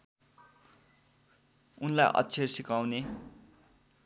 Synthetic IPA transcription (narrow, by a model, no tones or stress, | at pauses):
unla̰ʔʌ̰tːt͡sʰersikawne